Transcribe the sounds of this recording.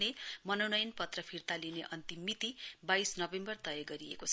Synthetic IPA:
nemʌnownʌjnpʌt̪rʌpʰirt̪alineʔʌnt̪imːit̪ibajsnʌbembʌrt̪ʌjʌɡʌɾiḛkot͡sʰ

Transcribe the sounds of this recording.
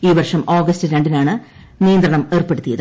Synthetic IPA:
iːʋɐrʂɐmoːɡɐstɨɾeɳɖinaːɳɨ | nijɐnd̪rɐɳɐme̞ːrpeɽut̪ːijɐðɨ

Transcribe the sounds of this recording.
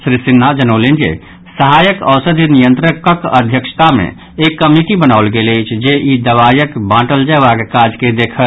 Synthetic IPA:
sɾisinːad͡ʒənolend͡ʒḛ | səɦajəkəwsəd̪ʱinijənt̪ɾəkəkəd̪ʱjəkʃt̪amḛ̃ | ekːəmiʈibənaʊlɡeləjt͡ʃʰd͡ʒeʔid̪əβajəkbãʈəld͡ʒɛʋaɡkad͡ʒked̪ekʰə

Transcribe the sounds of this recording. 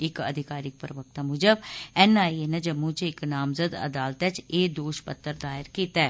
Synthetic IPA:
ɪkə̰d̪ʱɪkaːɾɪk̚pəɾʋək̚t̪ãmʊd͡ʒəbɛːnaːienɛd͡ʒəmːũt͡ʃɪknaːmzəd̪ə̰d̪aːlt̪ɛt͡ʃeːd̪oːʃpə̰t̪ːəɾd̪aːɪɾkiːt̪ɛɛː

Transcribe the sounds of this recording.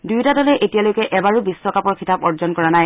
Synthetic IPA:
dujtadɔlɛʔetijalojkɛʔɛbaɹubisːɔkapɔɹkʰitapɔɹzɔnkɔɹanaj

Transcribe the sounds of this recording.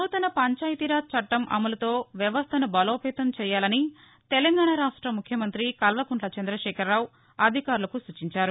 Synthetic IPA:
uːt̪ɐnɐpɐɲt͡ʃaːjt̪iɾaːt̪̚t͡ʃɐʈːɐmʔɐ̰mɐlɐt̪oːʋjɐʋɐst̪ʰɐnɐbɐloːpɛːt̪ɐmt͡ʃɛːjaːlɐni | t̪elɐŋɡaːɳaːɾaːʂʈɾɐmukʰjɐmɐnt̪ɾikɐlʋɐkuɳʈlɐt͡ʃɐnd̪ɾɐʂɛːkɐɾːaːw | ɐd̪ʱikaːɾulɐkusut͡ʃiɲt͡ʃaːɾu

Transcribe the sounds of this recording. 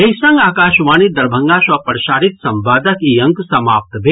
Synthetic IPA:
eɦsɐ̃ŋɡaːkaːʃʋaːnid̪ɐɾbʱɐ̃ŋɡaːʃʋɐpɾʃaːɾit̪sɐmbaːd̪ɐkijɐŋksɐmaːp̚t̪bʱe

